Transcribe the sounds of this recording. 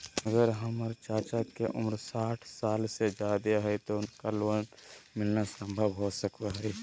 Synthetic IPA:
əɡəɾɦəməɾt͡ʃaːt͡ʃakeʔʊmɾsaːʈʰsaːlsed͡ʒaːd̪eɦɛit̪oʊnkaloːnmɪlnasə̃mbʱəbɦoːsəkt̪aɦɛi

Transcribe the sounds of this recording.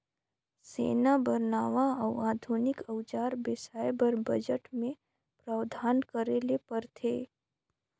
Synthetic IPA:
sḛːnabəɾnaːʋaəwaːd̪ʱunɪkəwt͡ʃaːɾbɪsaːjbəɾbɐd͡ʒəʈmẽ | pɾaːwd̪ʱaːnkəɾelepəɾt̪ʰeː

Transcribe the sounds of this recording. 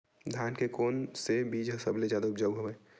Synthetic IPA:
d̪ʱjaːnkekoːnsebiːd͡ʒɦəsəbled͡ʒjaːd̪aʊpd͡ʒaɦobɛ

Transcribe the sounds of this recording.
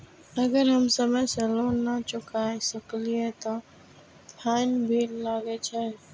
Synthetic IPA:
ɐɡəɾɦəmsəməjsəloːnat͡ʃʊkajsəkliet̪o | pʰaːɪnbʱiːllaːɡet͡ʃʰe

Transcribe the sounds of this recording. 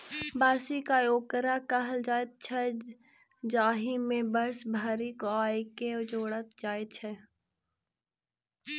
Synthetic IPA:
baːɾsikajoːkəɾakəɦəld͡ʒaːjt̪̚t͡ʃʰɛ | d͡ʒaːɦimẽbəɾsbʱaːɾikoaːiked͡ʒoːɽət̪d͡ʒaːjt̪t͡ʃʰɛ

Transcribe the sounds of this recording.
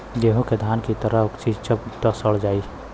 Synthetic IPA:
ɡeːɦõked̪ʱaːnkit̪əɾəɦʊkt͡ʃid͡ʒt͡ʃəpt̪əsəɭd͡ʒaːi

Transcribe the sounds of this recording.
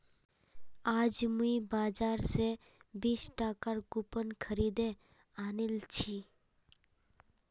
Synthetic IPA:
aːd͡ʒmuibaːd͡ʒaːɾse | biːsʈaːkaɾkupənkʰəɾiːd̪e | aːnilt͡ʃʰi

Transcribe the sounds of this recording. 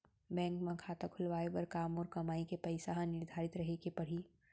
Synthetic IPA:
bɛ̃ːŋkmãkʰaːt̪akʰʊlʋaːeʋɐɾkaːmɔːɾkɐmaːikepɐɪsaɦãnɪɾd̪ʱaːɾɪt̪ɾɐɦekepɐɽ̤i

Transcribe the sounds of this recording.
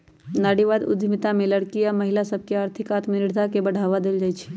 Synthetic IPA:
naːɽiʋaːd̪ʊ̰d̪ʱmit̪amẽləɽkiɔɾməɦɪlasəb̚ʱkeaːɾt̪ʰɪkaːt̪minɪɽd̪ʱakebəɽʱaːʋad̪eld͡ʒaːjt͡ʃʰi̥

